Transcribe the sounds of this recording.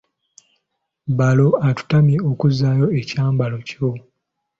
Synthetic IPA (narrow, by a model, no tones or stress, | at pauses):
balo̞atu̥tamjeokuzaːjo̞ecaːmbalo̞co̞